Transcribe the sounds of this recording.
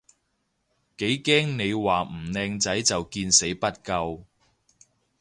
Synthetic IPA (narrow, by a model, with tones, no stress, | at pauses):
ke˨˥jkɛː˥ŋne˨˧jwaː˨m̩˨˩nɛː˧ŋt͡sɐ˨˥jt͡sɐ˨wkiː˧nse˨˥jpɐ˥t̚kɐ˧w